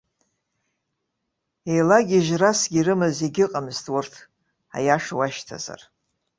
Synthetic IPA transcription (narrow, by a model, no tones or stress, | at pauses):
ejlaɡʲiʒrasɡʲiɾɨmɨzeɡʲɪqʼamztʰʼwʊrtʰ | a̰jaʂwaʃtʰa̰za̰r